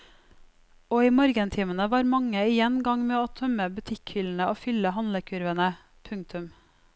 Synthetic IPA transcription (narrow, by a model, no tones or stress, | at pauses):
oːiːmɔɾɡənt̪ʰiːmənəʋɑːɾmɑŋəɪjɛnɡɑŋmeːoːt̪ʰœməbʉt̪ʰɪkhʏln̩əoːfʏləɦɑnləkʰʉɾʋənə | pʰʉŋ̚t̪ʰʉm